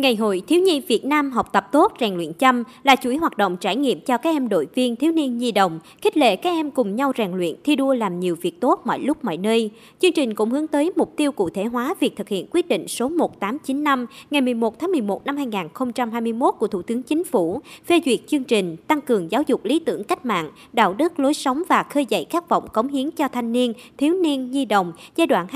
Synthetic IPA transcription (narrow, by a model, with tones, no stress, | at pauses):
ŋa˨˩jɦo̰˧˨jt̪ʰi˨˦wɲi˧vi˨˩ət̚naː˧mɦɔ˨˩k͡p̚t̪ə˨˩p̚t̪o˦˥t̚zɛː˨˩ŋlwḭ˧˨ənt͡ɕə˧mlaː˨˩t͡ɕu˧˩jɦwaː˨˩t̚ɗo̰˧˨wŋ͡mt͡ɕaː˧˩jŋḭ˧˨əmt͡ɕɔ˧kaː˦˥k̚ʔɛ˧mɗo̰˧˨jvi˧ənt̪ʰi˨˦wni˧ənzi˧ɗə̰˧˨wŋ͡m | xi˦˥k̚lḛ˧˨kaː˦˥k̚ʔɛ˧mkʊ˨˩ŋ͡mɲa˧wzɛː˨˩ŋlwḭ˧˨ənt̪ʰi˧ɗu˧əlaː˨˩mɲi˨˩əwvi˨˩ək̚t̪o˦˥t̚mɔ̰˧˨jlʊ˦˥k͡p̚mɔ̰˧˨jnəː˧j | t͡ɕɨ˧əŋt͡ɕï˨˩ŋ̟kʊ̰˧˥ŋ͡mhɨ˨˦əŋt̪əː˨˦jmʊ˨˩k͡p̚t̪i˧əwkṵ˧˨t̪ʰe˧˩ɦwaː˨˦vi˨˩k̚t̪ɨ˨˩k̚hḭ˧˨ənkwi˦˥t̚ɗḭ̈˧˨ŋ̟so˨˦mo˨˩t̚t̪aː˨˦mt͡ɕi˨˦nːa˧mŋa˨˩jmɨ˨˩əjmo˨˩t̪̚ʰaː˨˦ŋmɨ˨˩əjmo˨˩t̚na˧mhaː˧jŋaː˨˩nxə˧wŋ͡mt͡ɕa˧mɦaː˧jmɨ˧jmo˦˥t̚ku˧˩ət̪u˧˩t̪ɨ˨˦əŋt͡ɕï˨˦ŋ̟fu˧˩fe˧zwi˨˩ək̚t͡ɕɨ˧əŋt͡ɕï˨˩ŋ̟t̪a˧ŋkɨ˨˩əŋzaː˨˦wzʊ˨˩k͡p̚li˨˦t̪ɨ̰˧˩əŋka˦˥k̟̚ma̰ː˧˨n | ɗa̰ː˧˨wɗɨ˦˥t̚lo˨˦jsə˨˦wŋ͡mvaː˨˩xəː˧jzə̰˧˨jkaː˦˥k̚vɔ̰˧˨wŋ͡mkə˨˦wŋ͡mɦi˨˦əŋt͡ɕɔ˧t̪ʰa˧jŋ̟ni˧ənt̪ʰi˨˦wni˧ənzi˧ɗə̰˨wŋ͡mzaː˧jɗwa̰ː˧˨n